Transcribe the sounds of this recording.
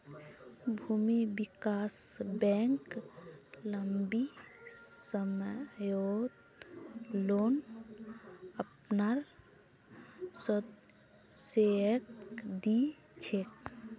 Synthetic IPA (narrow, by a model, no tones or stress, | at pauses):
bʱuːmibikasbɛŋk | ləmbi | səmjod̪ | loːn | əpnaɾ | sə | seəkd̪i | t͡ʃʰek